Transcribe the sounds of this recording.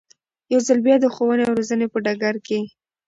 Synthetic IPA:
jawzalbjɑd̪əxowəneawɾozənepəɖaɡaɾke

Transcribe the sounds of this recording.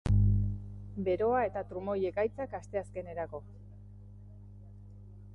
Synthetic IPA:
be̞ɾo̞ae̞t̪at̪ɾumo̞je̞kajt͡sakast̪e̞aske̞ne̞ɾako̞

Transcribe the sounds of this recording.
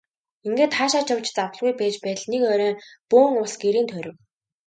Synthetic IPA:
iŋɡeːt̪χaːʃaːt͡ɕʰawt͡ɕt͡sawə̆ɮɣujpæːt͡ɕpæːt̪ɮnekœːɾœːpuːŋʊsɡeɾiːnt̪ʰœɾʲɪ̆w

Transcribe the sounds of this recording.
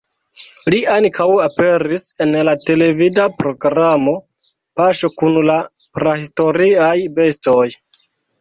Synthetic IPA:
liaŋkʰawape̞ɾise̞nlate̞le̞vidapɾo̞ɡɾamo̞ | paʃo̞kunlapɾahisto̞ɾiajbe̞sto̞j

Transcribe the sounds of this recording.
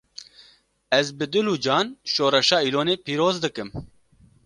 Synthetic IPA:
ɛzbɨd̪ɨluːd͡ʒɑːnʃoːɾɛʃɑːiːloːneːpiːɾoːzd̪ɨkɨm

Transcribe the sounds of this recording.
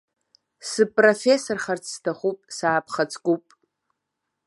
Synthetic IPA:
sɨpʼrofesorχart͡sʰstʰaχupʼsaːpʰχat͡sʰʼkʷʼupʼ

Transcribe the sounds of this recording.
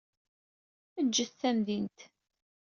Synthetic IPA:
əd͡ʒːəθθæmðint̪

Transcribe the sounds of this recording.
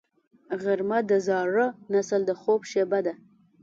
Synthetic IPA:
ɣaɾmad̪əzɑɾənasəld̪əxobʃebad̪a

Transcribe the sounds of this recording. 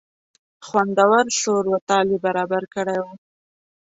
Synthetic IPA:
xwand̪awaɾʃoɾwat̪ɑlibaɾɑbaɾkəɽajwu

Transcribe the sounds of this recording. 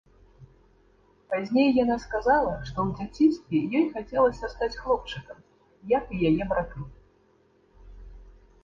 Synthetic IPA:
pazʲnʲejːanaskazalˠɐʂt̪ɔwd͡zʲat͡sʲinst̪vʲɛjɔjxat͡sʲɛlˠɐsʲɐst̪at͡sʲxlˠɔp̚t͡ʂɨkɐm | jɐkijajɛbɾat̪ɨ

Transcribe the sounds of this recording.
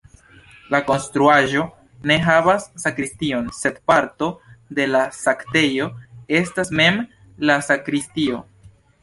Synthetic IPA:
lako̞nstɾuaʒo̞ | ne̞ɦavasːakɾistio̞nse̞dpaɾto̞de̞lasakte̞joe̞stasme̞m | lasakɾistio̞

